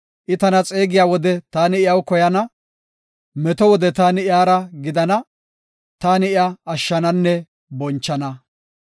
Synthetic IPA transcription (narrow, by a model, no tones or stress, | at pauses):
ʔɪt̪ɐnɐt͡sʼe̞ːɡɪjaːwɔd̪ɛt̪aːnɪɪjɐwkɔjɐnɐ | mɛt̪ɔwɔd̪ɛt̪aːnɪɪaːɾɐɡɪd̪ɐnɐ | t̪aːnɪɪaːʃːɐnɐnːɛ | bɔnt͡ʃːɐnɐ